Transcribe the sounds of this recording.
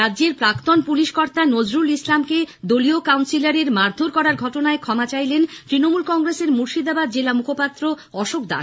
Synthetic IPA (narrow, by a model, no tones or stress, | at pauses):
ɾadːd͡ʑeɾpɾakt̪onpuliʃkɔɾt̪anod͡ʑɾulislamked̪oliokawnsilaɾeɾmaɾd̪ʱoɾkɔɾaɾɡʱɔʈonaekʰɔmat͡ɕajlent̪ɾinomulkɔŋɾeseɾmuɾʃid̪abad̪̚d͡ʑelamukʰopat̪ːɾo | ɔʃokd̪a̰